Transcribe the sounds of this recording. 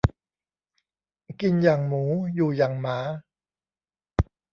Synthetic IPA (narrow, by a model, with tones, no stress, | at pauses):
ki˧njaː˨˩ŋmuː˩˦juː˨˩jaː˨˩ŋmaː˩˦